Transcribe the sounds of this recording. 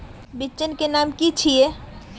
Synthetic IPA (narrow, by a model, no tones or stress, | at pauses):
bɪt͡ʃːənkenaːmkit͡ʃʰie